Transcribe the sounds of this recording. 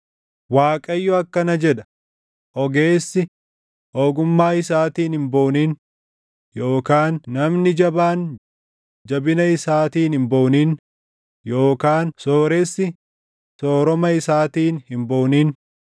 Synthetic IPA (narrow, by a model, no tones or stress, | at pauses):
waːkʼɐjːɔɐkːɐnɐd͡ʒɛᶑɐ̥ | ʔɔɡe̞ːsːɪ | oːɡʊmːaːɪsaːt̪iːnhɪmbo̞ːniːn | jo̞ːkaːnːɐmnɪd͡ʒɐbaːn | d͡ʒɐbɪnɐɪsaːt̪iːnhɪmboːniːn | jo̞ːkaːnsoːɾɛsːɪ | soːɾɔmɐɪsaːt̪iːnhɪmboːniːn